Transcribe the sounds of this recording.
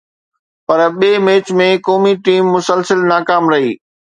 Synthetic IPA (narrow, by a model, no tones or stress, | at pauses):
pɐɾɓeːmeːt͡ɕmẽkɔːmiʈiːmːʊsəlsəlnaːkaːmɾɐɦḭː